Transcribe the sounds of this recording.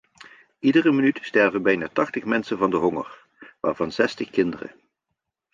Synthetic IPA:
ʔidərəmənytstɛɹvənbɛjnaːtɑχtəχmɛnsənvɑndəɦɔŋə̰r | ʋa̰ːɹvɑnzɛstəχkɪndərə̰

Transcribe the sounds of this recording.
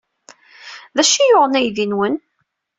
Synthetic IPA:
ðæʃijʊʁənæjðinwən

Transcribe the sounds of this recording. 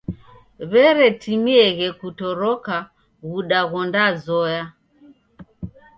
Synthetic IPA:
βɛɾɛtimiɛɣɛkutɔɾɔka | ɣuɗaɣɔndazɔja

